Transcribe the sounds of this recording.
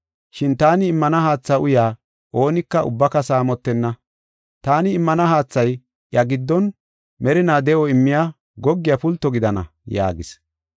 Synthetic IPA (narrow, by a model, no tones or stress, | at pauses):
ʃɪnt̪aːnɪːmːɐnɐhaːt͡sːɐʔʊjaː | ʔo̞ːnɪkːɐʊ̰bːɐkɐsaːmɔt̪ːɛnːɐ | t̪aːnɪːmːɐnɐɦaːt͡sːɐj | jɐɡɪd̪ːɔn | mɛɾɪnaːd̪ɛʔɔɪmːɪjaː | ɡɔɡːɪjapʊlt̪ːɔɡɪd̪ɐnɐ̰ | ja̰ːɡɪs